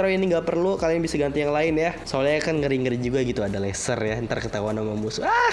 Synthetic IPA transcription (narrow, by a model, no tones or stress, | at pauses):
ɾainiŋɡapərlukalianbisaɡant̪ijaŋlaɪnjasoliakanŋəɾiŋəɾid͡ʒuɡaɡit̪uadalasərjat̪ərkət̪auanamamusua